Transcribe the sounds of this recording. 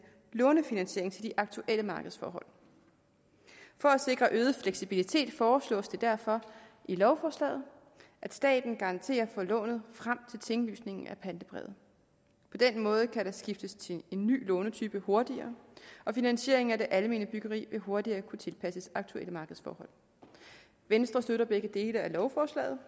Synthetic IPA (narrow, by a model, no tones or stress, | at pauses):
lɔ̽ːnəfinænɕe̝ɐeŋt͡sʰe̝ld̥iʔɑ̈ɡ̥̚t͡sʰuʔeləmɑ̈ːɡ̥əð̞̩ˠsfɒ̰ːɦɒ̽l̰ | fɒ̽æse̝ɡ̥ʁɐʔøːð̞̩ˠfleɡ̥sib̥ilit͡sʰe̝̰ːd̥fɒːslɔ̰̽ːsd̥e̝d̥æɐfɒ̽ʔilɒʊfɒːslɛ̰ːð̞̩ˠ | ʔæd̥sd̥ɛ̰ːd̥n̩ɡ̥ɑ̈ʁɑ̈nt͡sʰe̝̰ːɐfɒ̽lɔ̰̽ːnð̞̩ˠfʁam̰t͡sʰe̝lt͡sʰe̝ŋly̰ːsne̝ŋn̩æpʰænd̥əb̥ʁɛ̰ð̩ˠ | pʰɒ̽d̥enmɔ̽ːð̞̩ˠəkʰæɾ̥ɑ̈sɡ̥ifd̥əst͡sʰe̝e̝nːy̰ːlɔ̽ːnət͡sʰyːb̥əho̝ɐd̥iɐːʔɒ̽finænɕe̝̰ɐ̰e̝ŋ̩æd̥e̝ʔæləme̝̰ːnəb̥yɡ̥ɐʁḭːʋe̝ɦo̝ɐdiɐːkʰut͡sʰe̝lpʰæsəsɑ̈ɡ̥̚t͡sʰuḛləmɑ̈ːɡ̥ð̩ˠsfɒ̰ːhɒ̽l̰ | ʋensd̥ʁɐsd̥øɾɐb̥eɡ̥əd̥e̝ːləælɒʊfɒːslɛ̰ːð̩ˠ